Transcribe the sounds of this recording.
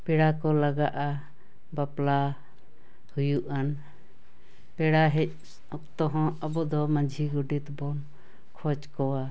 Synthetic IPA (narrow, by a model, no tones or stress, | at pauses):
pɛɽakɔlaɡaʔa | bapla | hujuʔan | pɛɽaɦɛc̚ | ɔkt̪ɔɦɔ̃ɔbɔd̪ɔmãd͡ʒʱiɡɔɖit̪bɔn | kʰɔt͡ʃkɔwa